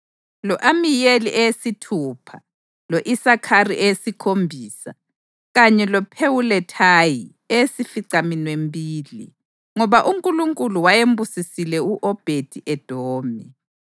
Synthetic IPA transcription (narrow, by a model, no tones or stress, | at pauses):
lɔʔamijeliʔɛjesitʰuːpʰa | loʔisakʰarḭʔɛjesikʰombʱiːsa | ɣaɲɛlɔpʰewulɛtʰaji | ɛjesifiǀaminwembʱiːlḭ | ŋɔβaʔuŋkʼuluŋkʼuluwajembʱusisilɛuʔɔb̥ʱed̥ʱiʔɛd̥ʱoːmi